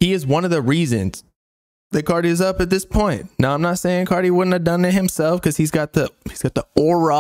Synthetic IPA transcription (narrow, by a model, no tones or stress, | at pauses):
iɨzwʌ̃nʌvðɨɹizɨ̰̃nz̥ | ðɨt̚kʰɑɹɾiɨzʌpɨt̪̚ðɪspʰɔ̃ɪ̃nːaʊãɪ̃mnətseɪɪ̃ŋkʰɑɹɾiwʊdⁿn̩tɨvdʌ̃nɨt̚hɨ̃msɛlˠfkʰʌz̥izɡɑt̪̚ðihiz̥ɡɑt̪̚ðiɔɹə